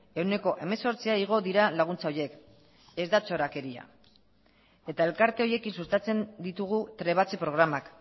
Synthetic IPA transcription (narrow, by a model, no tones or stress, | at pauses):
e̞wne̞ko̞ʔe̞me̞so̞ɾt͡siaiɣ̞o̞ðiɾalaɣ̞unt͡sao̞je̞k | e̞zd̪at͡ʃo̞ɾake̞ɾia̰ | e̞t̪ae̞lkaɾt̪e̞o̞je̞kinsust̪at͡se̞nd̪it̪uɣ̞ut̪ɾe̞β̞at͡se̞pɾo̞ɣ̞ɾamak